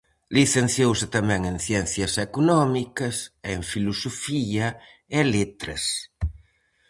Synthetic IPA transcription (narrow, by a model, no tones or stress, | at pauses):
liθen̟θjowsɪt̪amɛ̃ŋẽŋθjɛnθjɐsekunɔmikɐseɱfilusofiɐ | elit̪ɾḛs